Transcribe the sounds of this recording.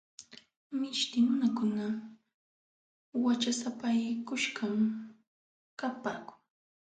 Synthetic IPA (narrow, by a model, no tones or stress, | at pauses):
mɪʃt̪ɪmʊnakʊna | wat͡ʃasapajkʊʃɢam | kapaːkʊ̥ŋ